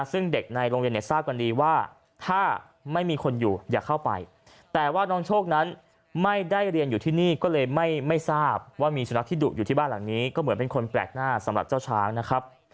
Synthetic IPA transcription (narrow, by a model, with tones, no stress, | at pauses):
sɯ˥˩ŋde˨˩k̚na˧jɾoː˧ŋwi˧ni˥˩əsaː˥˩p̚ka˧ndiː˧waː˥˩ | t̪ʰaː˥˩ | ma˥˩jmiː˧kʰo˧njuː˨˩jaː˨˩kʰːa˥˩wpa̰˧j | t̪ɛː˨˩waː˥˩nɔː˦˥ŋt͡ɕʰoː˥˩k̚na˦˥n | ma˥˩jda˥˩jɾi˧ənjuː˨˩t̪ʰiː˥˩niː˥˩kɔː˥˩lɤː˧jma˥˩jma˥˩jsaː˥˩p̚waː˥˩miː˧su˩˦na˦˥kt̪ʰiː˥˩duː˨˩k̚juː˨t̪ʰiː˥˩baː˥˩nla˨˩˦ŋniː˦˥kɔː˥˩mɯ˩˦npe˧nkʰo˧nplɛ̰ː˨˩k̚naː˥˩sa˩˦mɾa˨˩p̚t͡ɕaː˥˩wt͡ɕʰaː˦˥ŋna˦˥kʰɾa˦˥p̚